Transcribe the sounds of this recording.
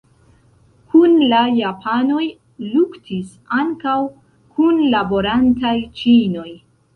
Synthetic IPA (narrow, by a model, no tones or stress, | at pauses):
kʰunlajapʰano̞j | luktʰis | aŋkaw | kʰunlabo̞ɾantajt͡ʃino̞j